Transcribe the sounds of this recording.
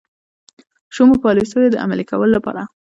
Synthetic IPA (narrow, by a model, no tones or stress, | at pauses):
ʃomopɑlisəjod̪əʔa̰malikawəlolapɑ̰ɾa